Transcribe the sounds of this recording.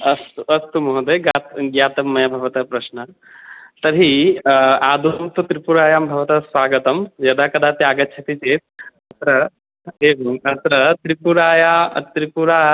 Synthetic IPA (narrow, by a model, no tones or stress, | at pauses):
ɐst̪ɐst̪umɐɦd̪ɐɡat̪ɡjaːt̪ɐmːɐjɐbʱɐʋɐt̪ɐpɾɐʃnɐ | t̪ɐɾɦi | aːd̪ʱumt̪ut̪ɾipuɾaːjaːmbʱɐʋɐt̪ɐsʋaːɡɐt̪ɐmjɐd̪ʱaːkɐd̪ʱaːt̪eaɡɐtːt͡ʃʰɐt̪it͡ʃeːt̪̚ɐt̪ɾɐ | eːʋɐŋɐt̪ɾɐt̪ɾipuɾaːjat̪ɾipuɾaː